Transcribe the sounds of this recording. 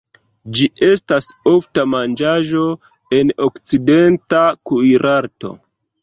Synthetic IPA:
d͡ʒiʔe̞staso̞ftamand͡ʒaʒo̞ | e̞nokt͡side̞ntakujɾʔaɾto̞̰

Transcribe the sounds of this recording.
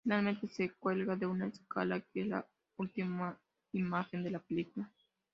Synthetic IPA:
finalment̪esekwelɣaðeunaeska̰lakela̰ | ult̪ima | imaxend̪elapelikula

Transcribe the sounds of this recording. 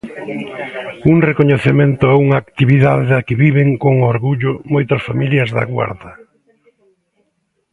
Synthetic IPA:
uŋrekoɲeθemẽnt̪ʊɛuŋaːkt̪iβiðaðeðɐkɪβiβeŋkoŋʊoɾɣuʎʊmojt̪ɐsfamiljɐzðɐ̰ɣwa̰ɾðɐ

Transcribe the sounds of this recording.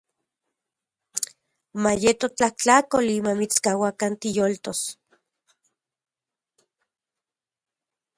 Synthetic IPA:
majet̪ot͡ɬaht͡ɬakolimamit͡skawakant̪ijolt̪os

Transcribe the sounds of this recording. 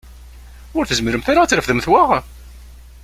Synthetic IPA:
ʊɾθəzməɾəmθaɾat͡sːɾəfðəmθwaʁ

